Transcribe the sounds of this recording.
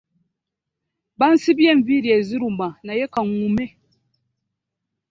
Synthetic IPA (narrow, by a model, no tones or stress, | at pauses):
ban̩sibiɛɱviɾiɛziɾumanajɛkaŋumɛ